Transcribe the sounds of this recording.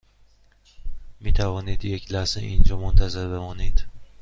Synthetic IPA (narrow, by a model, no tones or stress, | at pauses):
mit̪ʰavɒnid̪jekʲʰlasɪʔḭnd͡ʒɒmont̪ʰazɪɾbemɒnid̪̥